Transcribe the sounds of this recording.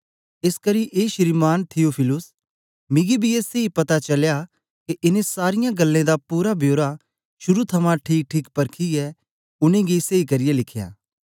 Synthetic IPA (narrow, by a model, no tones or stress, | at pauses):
ɪskɐɾiʔeːʃɪɾimaːnt̪ʰijoːpʰɪlʊs | mɪ̃ɡibʱieːseipɐt̪at͡ʃɐlja | keʔɪnẽsaːɾɪjãɡɐlːẽd̪apuːɾabʱjoːɾa | ʃʊɾut̪ʰɐmãʈʰiːk̚ʈʰiːkpɐɾkʰiɛ | ʊnẽɡiseikɐɾɪjelɪkʰja̰ː